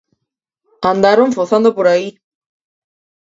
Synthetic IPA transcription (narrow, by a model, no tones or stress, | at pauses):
and̪aɾunfoθand̪opuɾai